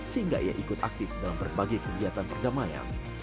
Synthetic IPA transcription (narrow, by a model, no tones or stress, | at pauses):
səhiŋɡa̰ʔia̰ʔikʊt̪a̰k̚t̪ɪfdalampərbaɡajkəɡiɦat̪anpərdamaja̰ŋ